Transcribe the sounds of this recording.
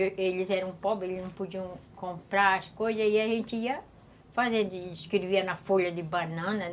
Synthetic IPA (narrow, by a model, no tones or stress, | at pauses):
elɪzɛɾɐ̃w̃pɔbɾɪelɪznɐ̃w̃pud͡ʒiɐ̃w̃kõmpɾaɾɐskojzɐiaʒẽnt̪ɪiɐ | fazẽnd̪ʊiskɾeviɐnɐfoʎɐd̪ɪbanɐ̃nɐ